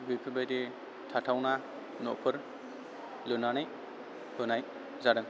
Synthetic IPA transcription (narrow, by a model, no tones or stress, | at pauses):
bikʰɯbajde | tʰatʰawna | nɔpʰɯɾ | lɯnanaj | hɯnaj | zaɾɯŋ